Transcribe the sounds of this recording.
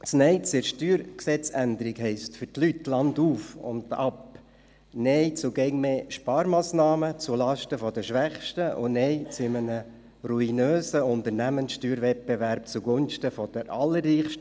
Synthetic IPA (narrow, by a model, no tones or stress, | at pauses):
tt͡snɛɪt͡sɪʃtyːɾksɛt͡sænd̪əɾikɦɛɪstfʏɾtlytːlɑnduːfʊ̰ndɑp | nɛɪt͡sʊɡɛɪŋmeːʃpɑːɾmɑːsnɑːmət͡sulɑʃtəfɔd̥əʃʋæχʃtəʔʊ̰nɛɪt͡sɪmənə | ruinøːsəʊnt̪əɾnæmənsʃtyːɾvɛt̚beʋæɾp̚t͡suɡʊnʃtəfɔd̥əɾʔɑlːərːiːχʃtə